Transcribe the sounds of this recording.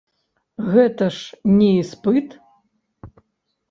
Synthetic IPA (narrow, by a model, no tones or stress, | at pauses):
ɣɛt̪ɐʂnʲɛispɨt̪